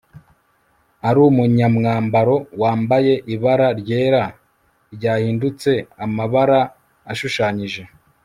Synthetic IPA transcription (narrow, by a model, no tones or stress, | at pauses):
aɾuːmuɲamŋaːmbaɾo̞waːmbaje̞ʔiβaɾaɾɟe̞ːɾa | ɾɟaːhiːndut͡se̞amaβaɾaː | ʃuʃaːɲiʒe̞